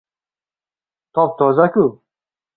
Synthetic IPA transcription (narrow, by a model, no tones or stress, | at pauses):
t̪ʰɔp̚t̪ʰɔzaku